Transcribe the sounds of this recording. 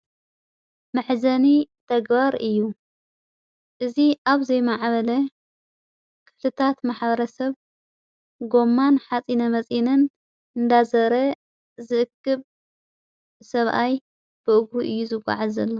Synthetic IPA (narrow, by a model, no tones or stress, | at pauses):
mɨħzɐnit̪ʰɐɡbaɾɨjːu | ʔɨziʔaβzɐjmaʕβɐlɐ | kʰɨ̥ft̪ʰɨt̪ʰat̪maħbɐɾɐsɐβ | ɡo̞mːanħat͡sʼinɐmɐt͡sʼinɨn | ɨnd̪azɐɾɐ | zɨʔɨkːɨβ | sɐβʔaj | b̥ɨʔɨɡhuʔɨjːuzɨɡʷʼa̰ʕazɐlːo